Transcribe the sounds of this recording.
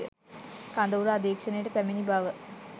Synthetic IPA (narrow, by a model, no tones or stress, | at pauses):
kaːnd̪ɐʋuɾɐɐd̪eːkʂɐnɐjuɽepemɐnibʱaːʋɐ